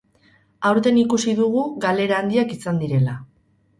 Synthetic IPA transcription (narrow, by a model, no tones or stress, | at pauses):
awɾt̪e̞nikusiðuɣ̞uɣale̞ɾaːnd̪iakisand̪iɾe̞la